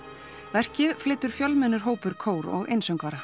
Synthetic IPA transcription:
vɛr̥cɪðflɪːt̪ʏɾ̥fjœlmɛnːʏɾ̥ɦoːwpʏɾ̥kʰoːwɾɔ̰ɣḛjnsœwŋkvaɾa

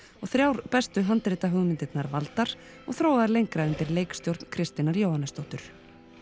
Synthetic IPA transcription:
ɔɣθɾjawɾpɛst̪ʏɦant̪ɾɪːt̪aɦʏɣmɪnt̪ɪt̪naɾvalt̪aɾ̥ | ɔ̰ɣθɾoːwɣaðaɾlejŋkɾaʏnt̪ɪɾlejkst̪jowɾt̪n̥kʰɾɪst̪ɪnaɾjoːwhanːast̪owht̪ʏɾ̥

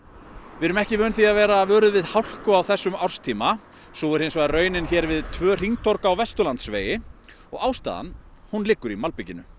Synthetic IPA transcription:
vɪɾʏmɛhcɪmœːnθiaðvɛːɾavœːɾʏðvɪðhawl̥kʏawθɛsːʏmawr̥st̪ʰiːma | sɔːʏɾ̥hejns̬ɔɣðaɾœːɥnɪnçɛːɾvɪðt̪ʰvœːr̥iŋt̪ʰɔɾkaːwvɛst̪ʏlant̪svḛːjɪ | ɔ̰ɣawst̪a̰ːða̰n | hunlɪkːʏɾimalpicɪnʏ̰

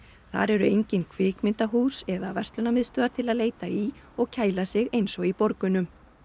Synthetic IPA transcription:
θa̰ɾɛɾʏejɲcɪnkʰvɪːkmɪnt̪aɦuːsɛðavɛrst̪lʏnamɪðst̪œːaɾt̪ʰɪlaðleːjt̪ai | ɔɣcʰaːjlasɪɣejnsɔɣipɔɾkʏnʏm

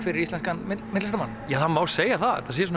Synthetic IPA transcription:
fɪɾɪɾist̪lɛnskanmɪmɪt̪ls̬t̪amanːjaːðanmaːwseːjaθaðt̪ʰasijs̬un

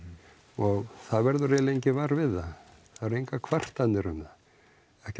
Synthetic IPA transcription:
ɔɣθaðvɛɾðʏɾɛlejɲcɪvaɾvɪðːaθaðɾejŋkakʰvar̥t̪anːɪɾʏmða | ɛhc

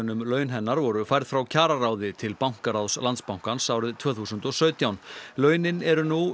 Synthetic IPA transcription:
nʏmlœːɥnɦɛnːaɾvɔɾʏfajɾð̥fɾawcʰaːɾaɾaːwðɪt̪ʰɪlpawŋ̥kaɾawðslant̪spawŋ̥kansaːwɾɪðt̪ʰvœːθuːsʏnt̪ɔsœːɥt̪jawnlœːɥnɪnɛɾʏnu

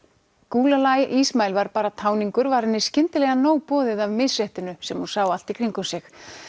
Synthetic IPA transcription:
kuːlalajʔismaːjlvaɾpaːɾat̪ʰaːwniŋkʏɾvaɾɪnːɪscɪnt̪ɪlɛɣanoːwpɔːðɪðavmɪsrɛht̪ɪnʏsɛmhunsaːwal̥t̪ikʰɾiŋkʏmsɛx

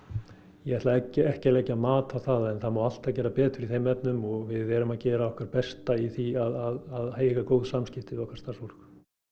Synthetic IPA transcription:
jɛɛht̪laɛcɛhcɛlɛːcaðmaːt̪aθaðɛnθamaːwal̥t̪aðcɛːɾapɛːt̪ʏɾiθejmɛpnʏmɔɣvɪðɛːɾʏmaðcɛːɾaɔhkvaɾ̥pɛst̪aiθiaðaðaðheːjɣakoːwðsamscɪft̪ɪðɔhkvaɾ̥st̪aɾsɔɾ̥k

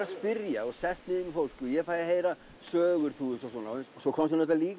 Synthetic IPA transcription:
aspɪɾjaɔɣsɛst̪nɪːðɪŋkʏfowl̥cɔjɛfaːjðahejɾa | sœːɣʏɾ̥θuːʏsɔsɔnaʏnssɔkʰɔmst̪nɛt̪aliːk

